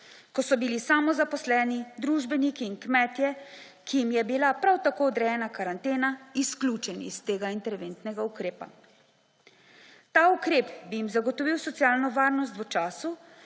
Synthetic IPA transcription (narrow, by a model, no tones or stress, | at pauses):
kɔsɔbilisaːmɔzapɔslɛːnid̪ɾuːʒbɛnikiːnkmɛːt̪jɛ | kijimjɛbilapɾawt̪akoɔd̪ɾɛjɛnakaɾant̪eːnaisklʲuːt͡ʃɛnḭst̪eːɡaint̪ɛɾʋent̪nɛɡaukɾeːpa̰ | t̪aːukɾeːpbijimzaɡɔt̪ɔʋiwsɔt̪sjaːlnɔʋaːɾnɔst̪ʋət͡ʃaːsu